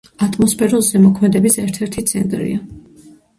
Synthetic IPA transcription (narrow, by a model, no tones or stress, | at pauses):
at̪ʼmɔspʰɛɾulˠzɛmɔkʰmɛd̪ɛbisɛɾt̪ʰɛɾt̪ʰit̪sʰɛ̰nt̪ʼɾḭa